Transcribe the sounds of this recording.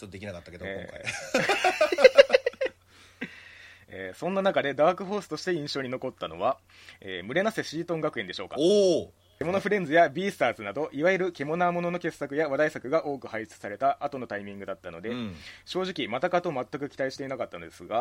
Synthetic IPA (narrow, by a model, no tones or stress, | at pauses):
t͡ɕot̪ːod̪ekʲinakat̪ːaked̪oḛõːka̰i | ḛːsõ̞nːanakad̪e̞d̪aːkɯ̟ɦo̞ːsɨ̥t̪o̞ɕi̥t̪e̞ĩɰ̃ɕo̞ːɲ̟ino̞ko̞t̪ːano̞̰βa | eːmɯ̟ɾe̞nase̞ɕiːt̪õ̞ŋɡakɯ̟e̞nd̪e̞ɕo̞ːka̰o | ke̞mo̞noɸɯ̟ɾẽ̞nd͡zɨjabʲiːsɨ̥t̪aːzɨnad̪o̞ʔiβaɯɾɯ̟ke̞mo̞naːmo̞no̞no̞ke̞sːakɯ̟jaβad̪aisakɯ̟ɡaʔo̞ːkɯ̟haii̥t͡sɨ̥saɾe̞t̪aʔːt̪o̞no̞t̪aimʲĩŋɡɯ̟d̪at̪ːano̞d̪e̞ɕo̞ːʑikʲimat̪akat̪o̞mat̪ːakɯ̟kʲi̥t̪aiɕi̥t̪einakat̪ːano̞d̪e̞sɨɡa